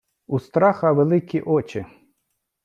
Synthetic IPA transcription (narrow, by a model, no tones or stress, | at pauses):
ust̪ɾɑxɐʋelˠɪkʲiʔɔt͡ʃɪ